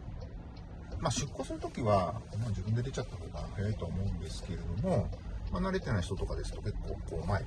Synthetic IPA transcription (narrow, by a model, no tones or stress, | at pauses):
maɕɨkːo̞ːsɨnɯt̪o̞kʲiβamad͡ʑibɯ̟̃nd̪e̞d̪et͡ɕat̪ːaho̞ːɡahajait̪oaːmo̞ɯ̟̃nd̪e̞sɨ̥ke̞ɾe̞d̪o̞mo̞manaɾe̞t̪e̞naiçi̥t̪o̞t̪okad̪e̞sɨ̥t̪o̞ke̞kːo̞̰ːko̞ːmae